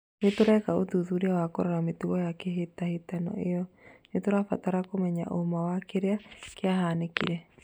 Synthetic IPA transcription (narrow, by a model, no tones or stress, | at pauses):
netoɾɛkaoðuðuɾeawakoɾaɾametuɣɔjakɛɦetahetanɔ̰ejɔnetoɾafa̰taɾakomɛɲa̰ʔomawakeɾeakeaɦaːnekḭɾɛ